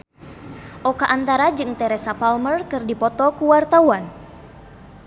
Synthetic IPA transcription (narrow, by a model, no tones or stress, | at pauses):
ʔɔkaʔant̪aɾad͡ʒɨŋt̪ɛɾɛsapalmərkɨrdipɔt̪ɔkuwart̪awan